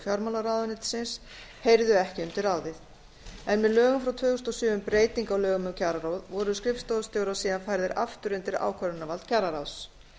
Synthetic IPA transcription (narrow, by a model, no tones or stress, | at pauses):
fjɔɾmalaɾawðʏnɪt̪sɪns | hejɾðʏɛhcɪʏnt̪ɪɾaːwðɪθ | ɛnmɛðlœːɣʏmfɾawt̪ʰvœːɣʏst̪ɔsʏːvʏmpɾeːjt̪iŋkawlœːɣʏmʏmcʰaɾaɾawðvɔɾʏskɾɪfst̪owðst̪jowɾasiːðanfajɾðɪɾʔa̰ft̪ʏɾʏnt̪ɪɾa̰ːwkʰvœɾʏnːavalt̪̚cʰaɾaɾaws